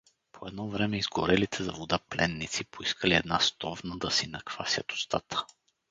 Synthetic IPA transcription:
pʰoɛd̪nɔvɾɛmɛizɡoɾɛlit̪ʰɛzɐ̰vod̪aplɛnːit̪sipoiskəliɛd̪nast̪ɔvnəd̪ɐsinɐkv̥asʲət̪o̥st̪at̪ə̥

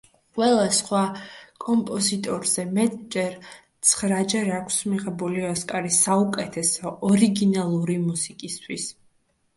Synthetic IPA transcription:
qʼwɛlˠasχwakʼɔmpʼɔzit̪ʼɔɾz̥ɛmɛt̪ʼd͡ʒɛɾt̪sʰχɾad͡ʒɛɾakʰsmiʁɛbuliɔskʼaɾisaukʼɛt̪ʰɛsɔʔɔɾiɡinalˠuɾimusikʼist̪ʰwis

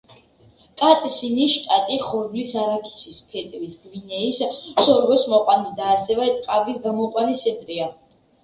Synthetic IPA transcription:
kʼat̪ʼsiniʃt̪ʼat̪ʼiχɔɾdlisaɾakʰi̥sispʰɛt̪ʼvisɡvinɛissɔɾvɔsmɔqʼwanisd̪aːsɛvɛt̪ʼqʼavisɡamɔqʼwanisɛnt̪ʼɾia

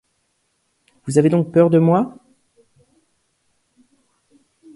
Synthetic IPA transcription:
vuzaved̪ɔ̃k̚pœʁd̪əmwa

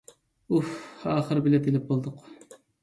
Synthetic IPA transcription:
ufɑːχəɾbɪlɛt̪ʰelɪp̚bolˠd̪ʊq

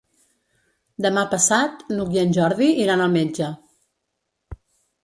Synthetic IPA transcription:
d̪əmapəsat̪nukjiənʲʒɔɾðiiɾanəlˠmed͡ʒə

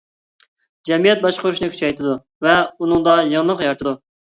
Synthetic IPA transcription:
d͡ʒɛmijɛt̪̚bɑʃqʊɾuʃinɨkʲʰy̥t͡ʃʰɛjt̪ʰɪd̪u | vɛunɨŋd̪ɑjəŋlˠəqjɑɾt̪ʰɨd̪u

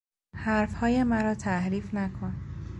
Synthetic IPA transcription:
hæɾfhɒːjemæɾɒːt̪ʰæhɾiːfnækʰon

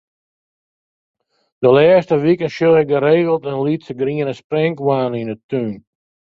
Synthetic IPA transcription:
d̥əlɛːstəʋikənʃjolɪk̚ɡəɾeːɣəlˠtənlitsəɡriənəsprɛŋkwaːninətyːn

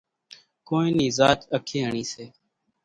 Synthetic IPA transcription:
koːĩːniːzaːt͡ʃəkʰẽːɦəɳiːseː

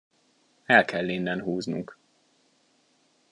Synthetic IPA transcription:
ɛlkʰɛlːinːɛnɦuːznṵŋk

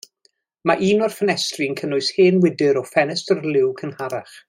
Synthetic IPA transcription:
maʔiːnɔrfənɛstrinkʰənʊɨsheːnwɪdɨɾɔfɛnɛstərlɪwkʰənhaɾaχ

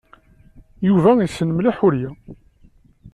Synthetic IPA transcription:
juvæisənmliħʊɾjæ

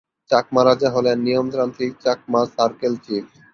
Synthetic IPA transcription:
t͡ɕakmaɾad͡ʑaɦolenːijomt̪ɾant̪ʰit͡ɕak̚masaɾkelt͡ɕi

